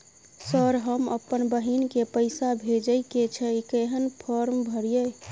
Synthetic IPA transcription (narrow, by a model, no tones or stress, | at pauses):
səɾɦəmə̰pːənbəɦinkepəɪsabʱed͡ʒəjket͡ʃʰəikeɦənpʰɔɾmbʱəɾijəj